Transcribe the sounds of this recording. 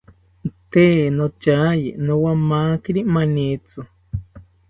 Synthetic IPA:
t̪eːnot͡ʃajinõwamaːkiɾimanit͡su

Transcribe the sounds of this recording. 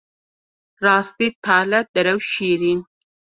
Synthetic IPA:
ɾɑːst̪it̪ʰɑːlat̪̚d̪ɐɾawʃiɾin

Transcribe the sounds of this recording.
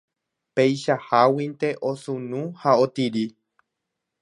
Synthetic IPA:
pejʃahawint̪e̞ʔosũnũhaot̪iɾi

